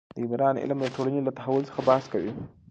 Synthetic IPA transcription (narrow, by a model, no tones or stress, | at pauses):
d̪əɪmɾɑnɪ̰lmd̪əʈ̪oɽanelat̪aɦawʊlsə̥xabahaskawi